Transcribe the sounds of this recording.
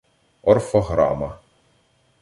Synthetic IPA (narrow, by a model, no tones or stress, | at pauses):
ɔrfɔɦɾɑ̰mɐ